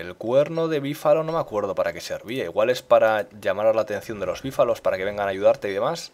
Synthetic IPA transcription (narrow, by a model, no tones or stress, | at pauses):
elkwe̞ɾno̞ðe̞β̞ifalo̞no̞makwe̞ɾð̞o̞paɾʔake̞se̞ɾβiaiɣwale̞spaɾaʝamaɾalaːt̪ẽ̞n̟θjo̞nd̪e̞lo̞zβifalo̞spaɾake̞βe̞ŋɡanaʝuðaɾt̪e̞iðe̞mas